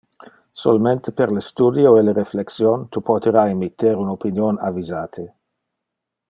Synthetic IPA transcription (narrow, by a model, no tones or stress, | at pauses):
so̰lament̪epeɾlest̪uːd̪joeleɾefleksjont̪upʰot̪eɾaemit̪ːeɾunopinjonavizaːt̪ʰe